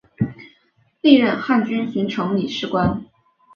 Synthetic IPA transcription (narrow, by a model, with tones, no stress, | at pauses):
li˥˧ɻə˥˧nxa˥˩nt͡ɕy˥nɕi˧˥ŋʈ͡ʂʰɤ˧˥ŋli˨˩ʂɻ̩˥˩kwa˥n